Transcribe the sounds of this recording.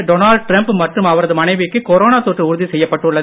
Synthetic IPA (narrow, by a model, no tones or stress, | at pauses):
ɖonaːɭɖ̚ʈɾɐmpmɐʈrɯmɐʋɐɾɐðɯmɐnɐɪʋɪkːɯkɔɾoːnaːt̪oːʈrɯʊɾʊðisɛjːɐpːɐʈːɯɭːɐ